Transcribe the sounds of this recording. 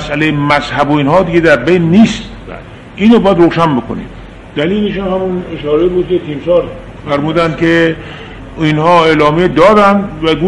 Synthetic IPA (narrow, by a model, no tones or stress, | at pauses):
sʔælejemæzhæboiːnɦɒːd̪iɡed̪æɾbejnːiːst̪ | ʔiːnobɒːjæd̪ɾoːʃænbeko̰nḭːm | d̪̥æliːleʃunhæmuneʃɒːɾebuːd̪̚ket̪ʰiːmsɒːɾ | fæɾmuːd̪ænd̪kʰe | inhɒːeːlɒːmied̪ɒːɾænd̪væɡu